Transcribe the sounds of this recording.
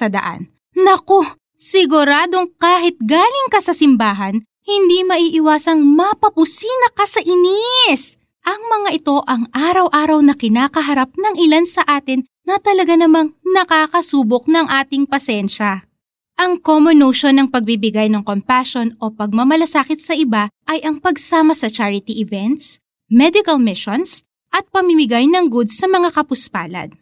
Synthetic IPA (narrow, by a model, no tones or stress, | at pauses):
sɐd̪ɐ̰ʔa̰n | nɐko̞ | sɪɡʊɾaːd̪o̞ŋkaːɦɪt̪̚ɡaːlɪŋkɐsɐsɪmbaːɦɐn | hɪnd̪imɐʔiːʔɪwaːsɐŋmɐpɐpʊsiːnɐkɐsɐʔɪnis | ʔɐŋmɐŋaʔɪt̪o̞ʔɐŋʔaːɾɐwʔaːɾɐwnɐkɪnaːkɐɦɐɾap̚nɐŋɪlansɐʔaːt̪ɪnːɐt̪ɐlɐɡanɐmaŋnɐkaːkɐsuːbok̚nɐŋʔaːt̪ɪŋpɐsɛnʃɐ | ʔɐŋkomonoʃonɐŋpɐɡ̚bibɪɡajnɐŋko̞mpaʃo̞nopɐɡ̚mɐmɐlɐsaːkɪt̪̚sɐʔɪbaʔɐjʔɐŋpɐɡsaːmɐsɐt͡ʃaɹɪt̪iʔɪvɛnt̪s | mɛd̪ɪkɐlmɪʃons | ʔɐt̪̚pɐmɪmɪɡajnɐŋɡud̪sɐmɐŋakɐpʊspa̰ːlɐ̰d̪̚